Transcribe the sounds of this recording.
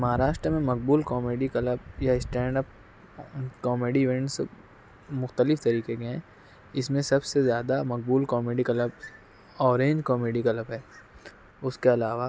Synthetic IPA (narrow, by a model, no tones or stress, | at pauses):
mɐɦaːɾaːʃʈɾəmẽmɐk̚buːlkɔːmeːɖikɐləb̚jaɪsʈɛ̃ːɳɖəp̚ | kɔːmeːɖiʋẽɳʈs | mʊxt̪əlɪft̪ɐɾiːkekeɦɛ̃ː | ɪsmẽsɐbsezjaːd̪amɐk̚buːlkɔːmeːɖikɐləb | ɔːɾẽːɲd͡ʒkɔːmeːɖikɐləbɦɛː | ʊskeɐlaːʋa